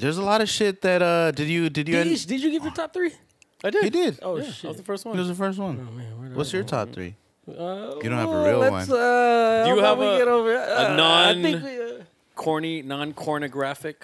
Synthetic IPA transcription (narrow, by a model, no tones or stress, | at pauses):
ðə˞zəlɔɾʌ̥ʃɪt̪̚ðɨɾʌdɨd͡ʒɨdɨd͡ʒɨɛ̃dɨd͡ʒɨɡɪvjə˞tʰɑp̚θɹi | aɪdɪɨdɪd̚osðəfɜ˞st̚wʌ̃ɪt̚wʌzðəfɜ˞s̬t̚wʌ̃nwʔʌ̰tsjə˞tʰɑ̰p̚θɹḭ | jɨdõnthvəɹilˠlæʌ̰̃nsʌjɨwiɡɛɾoʊvə˞nnɑãnɪ̃kw | kʰɔɹninɑ̃nkʰɔɹnɨɡɹæfɪk